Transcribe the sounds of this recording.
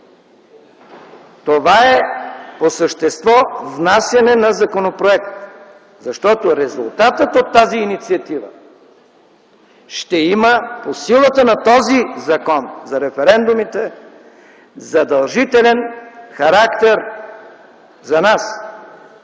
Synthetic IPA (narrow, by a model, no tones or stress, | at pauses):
t̪ovaɛposəʃt̪ɛst̪vɔvnasjɐnɛnɐzɐkonopɾoɛk̚t̪ | zɐʃt̪ɔt̪oɾɛzṵlˠt̪at̪ət̪ot̪ːaziːnit̪siɐt̪ivə̰ | ʃt̪ɛiməposilˠət̪ənɐt̪ɔzizɐkɔnzɐɾɛfɛɾɛnd̪ʊmit̪ɛ | zɐd̪ɐlˠʒit̪ɛlɛnxɐɾakt̪ɛɾ | zɐnas